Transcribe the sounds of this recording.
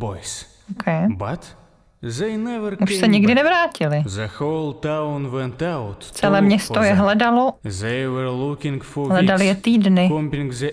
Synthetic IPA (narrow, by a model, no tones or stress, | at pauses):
bojs | okʰɛjbat̪ | zejnɛvəɾuʃsɛɲɪɡdɪnɛvɾaːcɪlɪzəxolˠt̪awnwɛ̃nt̪awtt͡sɛlɛːmɲɛsojɛɦlɛdalozejwɛɹlukɪ̃ŋɡfɔɦlɛdalɪjɛt̪iːdnɪkɔ̃mpɪ̃ŋɡze